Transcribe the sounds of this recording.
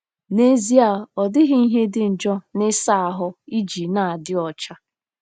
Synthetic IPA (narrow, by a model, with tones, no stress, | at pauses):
ne˦zi˦a˨ɔ˨dɪ˦ɦɪ˦i˦ɦe˦dɪ˦n̩˨d͡ʒɔ˦nɪ˦sa˦˨a˨ɦʊ˦i˦d͡ʒi˨na˨dɪ˦ɔ˨t͡ʃa˦